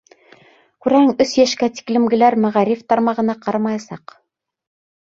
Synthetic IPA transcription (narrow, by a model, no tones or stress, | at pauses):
kʉɾæɘŋɵsjæʃkæt̪i̥klɘ̆mɡɘ̆læɾmæʁæɾift̪ɑɾmɑʁɤ̆nɑqɑɾɑmɑjɑsɑq